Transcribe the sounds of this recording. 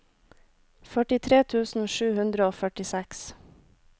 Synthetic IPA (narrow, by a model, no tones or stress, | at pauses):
fœʈɪt̪ʰɾeːt̪ʰʉːsn̩ʃʉːhʉnd̪ɾəoːfœʈɪsɛks